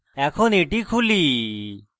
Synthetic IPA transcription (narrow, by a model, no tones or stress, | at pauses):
ɛkʰoneʈikʰuli